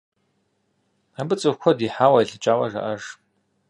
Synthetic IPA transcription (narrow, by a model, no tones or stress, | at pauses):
abɨt͡sʼɨwxʷɔdiːħaːwɐiɮɨt͡ʃʼaːwɐʐa̰ʔɐʐ